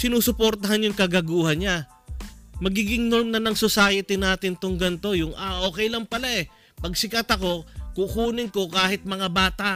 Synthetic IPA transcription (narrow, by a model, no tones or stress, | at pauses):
sɪnuːsʊpoɾt̪ɐhanjʊŋkɐɡɐɡuːhɐnɲa | mɐɡiːɡɪŋno̞ɾmnɐnɐŋsʊsaːjɪt̪ɪnaːt̪ɪnt̪oŋɡɐnt̪o̞jʊŋaʔo̞ːkɛjlɐŋpɐlaʔɛ | pɐɡsɪkɐt̪ɐko̞kukuːnɪŋko̞kaːhɪt̪̚mɐŋabaːt̪aʔ